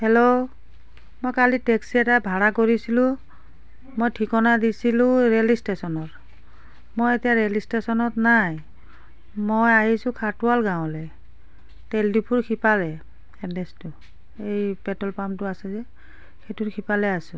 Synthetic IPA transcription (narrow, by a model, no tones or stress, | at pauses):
hɛlo | mojkalitɛksɛtabʱaɹakoɹisilʊ̃ | mojtʰikɔnadisilʊ̃ɹelistesɔnɔt | mojetijaɹelistesɔnɔtnaj | mojaɦisʊ̃kʰatualɡãw̃lɛ | teldipʰuɹkʰipalɛ | ɛdɛstʊ | ejpɛtɔlpamtʊasɛzɛ | ketuɹkʰipalɛasʊ̃